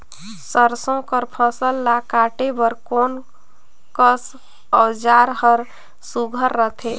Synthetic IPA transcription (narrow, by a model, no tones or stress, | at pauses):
səɾsõkəɾpʰəsəlːakaʈebəɾkon | kəs | əwd͡ʒaɾhəɾ | suɡʱəɾːət̪ʰe